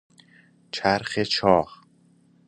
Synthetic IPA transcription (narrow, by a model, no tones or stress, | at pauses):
t͡ʃʰæɾxet͡ʃʰɒːχ